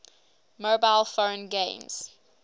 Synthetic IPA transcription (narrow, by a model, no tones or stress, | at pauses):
mobaɪlfõnɡẽmz̥